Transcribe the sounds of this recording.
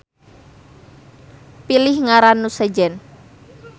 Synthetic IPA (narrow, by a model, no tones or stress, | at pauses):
pilɪhŋaɾanːusɛd͡ʒɛn